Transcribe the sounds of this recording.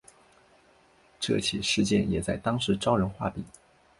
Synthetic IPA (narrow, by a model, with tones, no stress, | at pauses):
ʈ͡ʂɤ̰˥˩t͡ɕʰi˨˩ʂɻ̩˥˧t͡ɕjɛ̰˥˩njɛ˨˩t͡sa˥˩ɪt̪ɑ˥ŋʂɻ̩˧˥ʈ͡ʂɑ˥ʊɻə˧˥nxwa˥˩pḭ˨˩˦